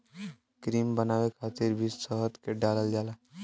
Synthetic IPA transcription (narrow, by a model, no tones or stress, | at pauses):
kɾiːmbənawekʰaːt̪iɾbʱisəɦət̪keɖaləld͡ʒaːla